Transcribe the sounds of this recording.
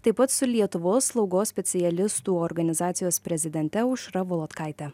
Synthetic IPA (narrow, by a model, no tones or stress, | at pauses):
t̪ɐɪpːɐt̪sʊlʲiɛt̪ʊʋoːsːlˠɒʊɡoːsʲpʲɛt̪sʲɪjɛlʲɪst̪uːɔɾɡɐnʲɪzɑːt̪sʲɪjoːspʲɾʲɛzʲɪd̪ʲɛnʲt̪ʲɛʊʃɾɐʋɔlˠoːt̪kɑɪt̪ʲɛ